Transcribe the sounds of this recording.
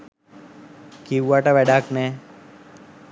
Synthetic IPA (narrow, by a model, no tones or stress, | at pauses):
kiwːaʈaʋɛɖakne